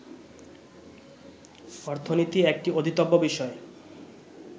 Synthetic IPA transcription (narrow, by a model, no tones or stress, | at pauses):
ɔɾt̪ʰonit̪iek̚ʈiod̪ʱit̪obːobiʃɔe